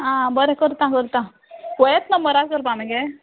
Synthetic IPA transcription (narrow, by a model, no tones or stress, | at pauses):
ãbəɾekəɾt̪ãkəɾt̪ã | kɔjet̪nəmbəɾad͡zkəɾpameɡe